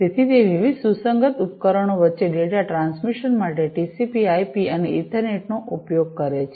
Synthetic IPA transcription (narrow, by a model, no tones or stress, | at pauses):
t̪et̪ʰit̪eʋiʋid̪susəŋɡət̪up̪kəɾəɳ̃oʋətːʃeɖeʈaʈɾãnsmiʃənmaʈeʈisipiajpiəneiʈəɾneʈnoʔupjoɡ̚kəɾet͡ʃʰ